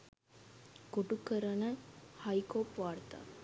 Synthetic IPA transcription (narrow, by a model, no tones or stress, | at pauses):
koʈukːəɾɐnɐnhɐjkoːpʋaːrt̪a̰ː